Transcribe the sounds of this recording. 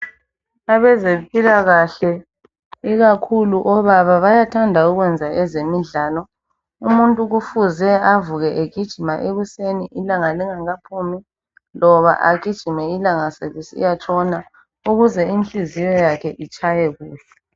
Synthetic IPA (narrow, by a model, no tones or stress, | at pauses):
aβɛzempʼilaɣaɬɛ | iɣakʰuluʔɔβaβaβajatʰandʱauɣwɛnd͡zʱaʔɛzemiɮaːlɔ | umuntʼuɣufuzɛavuɣɛʔeɡ̥ʱid̥ʒ̥ʱimaʔeɣuseniʔilaŋaliŋaŋapʰumi | lɔβa̰ʔaɡ̥ʱid̥ʒ̥ʱimɛilaŋaseβisiḭjat͡ʃʼɔna | uɣuzɛinɬʼizijɔjakʰɛʔit͡ʃʼajɛɣuːɬɛ̥